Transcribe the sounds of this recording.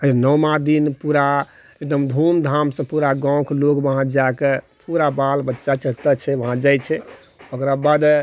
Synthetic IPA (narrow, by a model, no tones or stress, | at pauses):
ənəmad̪inpuɾa | ek̚d̪əmd̪ʱumd̪ʱamsə̃puɾaɡãʊ̃kʰlokbəɦãd͡ʒaekepuɾabalbətːʃat͡ʃəɦt̪ət͡ʃʰɛʋəɦãd͡ʒajt͡ʃʰɛ | okɾabad̪